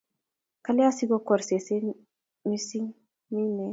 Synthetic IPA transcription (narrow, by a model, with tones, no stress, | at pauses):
ka˦la˦si˦ɡɔ˦kɔ˨ɾse˨se˦ | mi˦si˦ŋ | ni˦nɛ˨